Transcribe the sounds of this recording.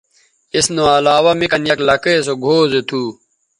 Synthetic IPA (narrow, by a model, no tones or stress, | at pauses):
isnoɐlaːwɐmikɐnjɐklɐkeːsoɡʱoːzet̪ʰuː